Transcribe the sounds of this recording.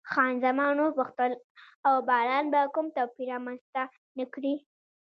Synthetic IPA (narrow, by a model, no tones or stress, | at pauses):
xɑnzamɑnobʊxt̪əl | awbɑlɑnbakumt̪apiɾɑmanzt̪a | nakɽi